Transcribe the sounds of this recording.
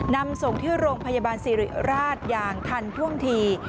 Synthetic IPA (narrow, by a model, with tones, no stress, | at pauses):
na˧mso˨˩ŋt̪ʰɯː˥˩ɾoː˧ŋpʰa˧jaː˧baː˧nsiː˨˦ɾḭ˨˩ɾaː˥˩t̪̚jaː˨˩ŋt̪ʰa˧nt̪ʰu˥˩əŋt̪ʰiː˧